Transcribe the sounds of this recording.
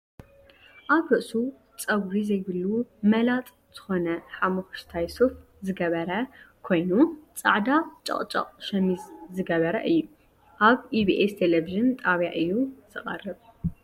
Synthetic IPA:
ʔaβɾɨʔsu | t͡sʼɐɡɾizɐjβɨlːumɐlat̪ʼ | z̥ɨxo̞nɐħamuxʃt̪ʰajsof | zɨɡɐβɐɾɐkʰo̞jnut͡sʼa̰ʕd̪at͡ʃʼɐ̰χʼt͡ʃʼɐ̰qʼʃɐmizzɨɡɐβɐɾɐ̰ʔɨjːu | ʔaβiβiʔest̪ʰeleviʒɨnt̪ʼaβjaʔɨjːuz̥ɨχʼɐ̰rːɨβ

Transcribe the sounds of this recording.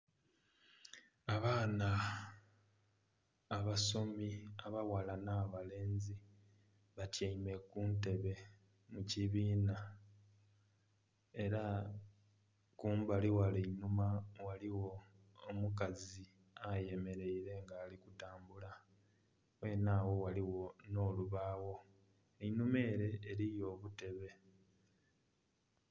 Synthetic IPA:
aβaːna | βaso̞miaβawalanaːβale̞ːnzi | βatjaime̞kuːnte̞βe̞ | muciβiːna | e̞ɾa | kuːmbaliwalenumawaliwo̞ː | mukazi | aje̞me̞ɾe̞iɾe̞ŋɡaːlikutaːmbula | we̞ːnaːwo̞waliwo̞no̞ːluβaːwo̞ | einume̞ːɾe̞ːɾijo̞ːβute̞βe̞

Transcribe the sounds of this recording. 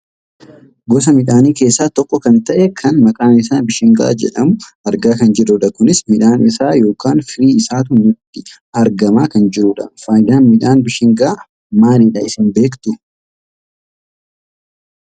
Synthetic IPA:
ɡɔs̬ɐmɪᶑaːniːke̞ːsːaːt̪ɔkʼːɔkɐnt̪ɐʔɛkʰɐnmɐkʼaːnɪs̬aːbɪʃɪŋɡa̰ːd͡ʒɛ̰ᶑɐmʊ | ɐɾɡaːkɐnd͡ʒɛᶑʊᶑɐkʊnɪsmɪᶑaːnɪsaːjo̞ːkaːnfɪɾiːɪsaːt̪ʊnʊt̪ːɪ | ɐɾɡɐmaːkɐnd͡ʒɪɾʊːᶑɐ̰faːjd̪aːnmɪᶑaːnbɪʃɪŋɡaː | maːnɪᶑɐɪsɪnbe̞ːkt̪ʊ

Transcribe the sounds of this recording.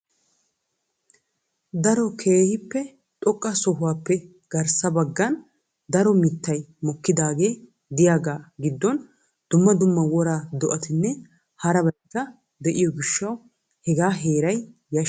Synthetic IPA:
d̪ɐɾɔkʰeːhɪpːɛ | t̪ʼɔkʼːɐsɔɦʊwaːpːɛ | ɡ̥ɐɾsɐbɐɡːɐn | d̪ɐɾɔmɪt̪ːɐjmɔkːɪd̪aːɡe̞ː | d̪ɪjaːɡaːɡɪd̪ːɔn | d̪̥ʊmːɐd̪ʊmːɐwɔɾaːd̪ɔʔɐt̪ɪnːɛ | hɐɾɐbɐjkːɐ | d̪ɛʔɪjɔɡɪʃːɐw | hɛɡaːɦeːɾɐj | jɐ

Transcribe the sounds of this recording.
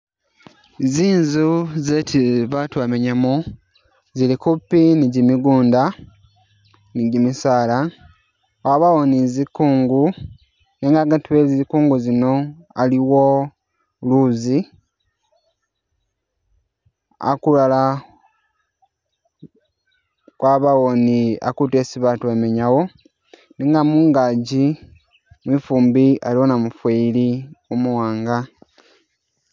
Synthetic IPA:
ziːnzuzetʰiβatwaːmeɲamu | zilikupːiniɟimiɡuːnda | niɟimisaːla | waβawonizikuːŋɡu | eŋɡaɡatuwezizikuːŋɡuzino̞ | aliwo | luzi | a̰kulala | kwaβawonia̰kutesiβatwemeɲawo̞ | niŋɡamuŋɡaːɟi | mwifuːmbialiwonamufweiliumuwaːŋɡa

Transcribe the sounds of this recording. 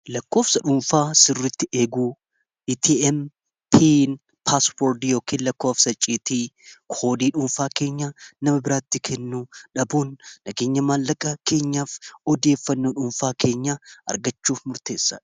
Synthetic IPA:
lɐkːo̞ːfsɐᶑʊːnfaːsɪrːɪt̪ːɪʔeːɡuː | ɪt̪ʰiʔɛm | pʰin | pʰaspoɾd̪jo̞ːkʰiːnlɐkːo̞ːfsɐt͡ʃʼiːt̪iːkʰo̞ːd̪iːᶑʊːnfaːke̞ːɲːaːnɐmɐbɪɾaːt̪ːɪkʰɛnːuːᶑɐbuːnːɐɡe̞ːɲːɐmaːlːɐkʼːɐke̞ːɲːaːfɔd̪e̞ːfːɐnːoᶑʊnfaːke̞ːɲːaːʔɐ̰ɾɡɐt͡ʃːuːfmʊɾt̪e̞ːsːa̰

